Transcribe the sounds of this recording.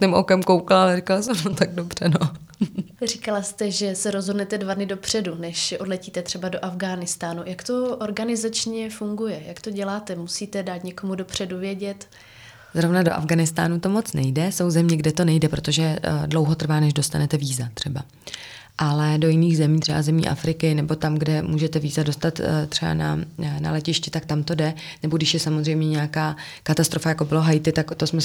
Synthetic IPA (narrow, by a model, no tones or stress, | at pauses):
tɪmʔo̰kɛmkowkalaalɛrikalasɛmot̪aɡ̚dobr̝̥ɛno | rikalast̪ɛʒɛsɛɾozɦo̞dnɛt̪ɛdvadnɪdo̞pr̝̥ɛdunɛʃɛʔo̞dlɛciːt̪ɛt̪r̥ɛbado̞ʔavɡaːnɪst̪aːnujakt̪o̞ʔoɾɡanɪzat͡ʃɲɛfuŋɡujɛjakt̪o̞ɟɛlaːt̪ɛmusiːt̪ɛdaːt̪ɲɛko̞mudo̞pr̝̥ɛduvjɛɟɛt̪ | zɾo̞vnadoʔa̰vɡanɪst̪a̰ːnut̪o̞mo̞t͡snɛjdɛso̞wzɛmɲɛɡdɛt̪o̞nɛjdɛpɾo̞t̪oʒɛdlo̞wɦo̞t̪r̩vaːnɛʒdo̞st̪anɛt̪ɛviːzat̪r̥ɛba | ʔalɛdo̞jɪniːɣzɛmiːt̪r̝̥ɛbazɛmɲḭːʔa̰fɾɪkɪnɛbo̞t̪amɡdɛmuːʒɛt̪ɛviːzado̞st̪at̪t̪r̥ɛba̰na̰na̰lɛcɪʃcɪt̪ak̚t̪amt̪o̞dɛ | nɛbo̞ɡdɪʃjɛsamozrɛjmɲɛɲɛakaː | kat̪ast̪ɾo̞fajako̞bɪloɦajt̪ɪt̪akt̪o̞smɛ